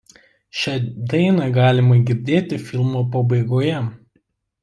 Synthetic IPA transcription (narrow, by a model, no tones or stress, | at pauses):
ʃʲɛd̪ɐɪnɑɡɑːlʲɪmɐɡʲɪɾʲd̪ʲeːt̪ʲɪfʲɪlˠmoːpɐbɐɪɡoːjɛ